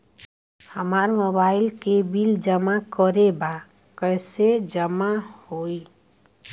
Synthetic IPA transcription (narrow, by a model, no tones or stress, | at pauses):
həmaɾmobaɪilkebild͡ʒəmakəɾeba | kəjsed͡ʒəmahoi